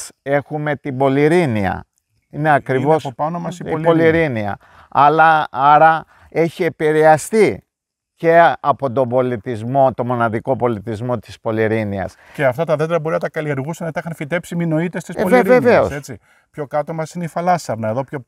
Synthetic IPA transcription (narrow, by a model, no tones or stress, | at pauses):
se̞xume̞t̪ibo̞liɾiniɐ̰ | ineɐkɾivosɐsopɐnomɐsilboliɾiniɐ̰ | ɐlɐɐɾɐ | e̞çie̞piɾe̞ɐst̪i | ce̞ɐpo̞t̪o̞bo̞lit̪izmo̞t̪o̞mo̞nɐðiko̞po̞lit̪izmo̞t̪i̥spo̞liɾiniɐ̰s | ceɐft̪ɐt̪ɐðeft̪eɾɐbo̞ɾinɐt̪ɐkɐlieɾɣusɐnɐt̪ɐixɐnfit̪e̞psimino̞it̪est̪isoleɾveve̞oset͡si | pço̞kɐt̪omɐsineifɐlɐsɐɾnɐeðo̞pço